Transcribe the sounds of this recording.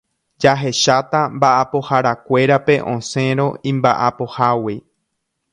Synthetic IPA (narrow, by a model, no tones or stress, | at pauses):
d͡ʒaɦe̞ʃat̪ambaʔapo̞haɾakʷe̞ɾape̞ʔõse̞ɾõ̞ĩmbaʔapo̞hawi